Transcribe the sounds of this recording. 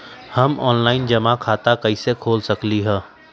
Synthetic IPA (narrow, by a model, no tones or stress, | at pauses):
hɐmɔ̰ːnlaːɪnd͡ʒɐmakʰaːt̪akɐisekʰoːlsɐkliɦɛ̃ː